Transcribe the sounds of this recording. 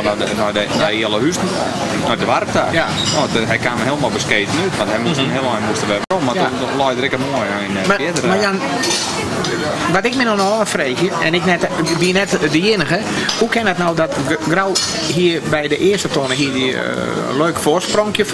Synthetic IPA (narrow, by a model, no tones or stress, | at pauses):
anɔdənɔjiəlˠəhys | nɔjdəʋarp̚ta̰noɦɛjkanməɦiəlˠmɔlbəskeːtənytʋɑnthɛjmsnɦɪəlˠɔjmustəʋɛʋəɾommaun | lɔjdəɾɪkəmoəjanmaɪdəmajan | ʋɔtɪk̚minɔnɔɔːəfreːxjəɛnɪknɛtʋiənɛtdəjɪnəɣə | hukɪnətnowdɔtɡraw | ɦiərbɛjdəʔɪəstətʰonəɦiədḭ | løːkə̥fosproŋkjə